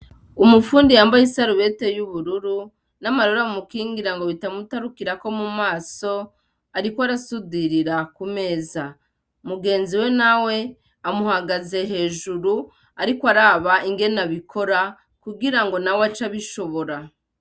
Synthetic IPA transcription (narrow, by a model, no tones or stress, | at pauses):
umufuːndijaːmbajisaɾuβe̞te̞juβuɾuɾu | namaɾoɾamukiːŋɡiɾaŋɡo̞βitamutaɾukiɾako̞mumaːso̞ | aɾikwaɾasudiɾiɾakume̞ːza | muɡe̞ːnziwe̞nawe̞ | amuhaɡaze̞ɦe̞ːʒuɾu | aɾikwaɾaːβaʔiŋɡe̞naβikʰo̞ɾa | kuɡiɾaŋɡo̞nawat͡ʃaβiʃo̞βo̞ɾa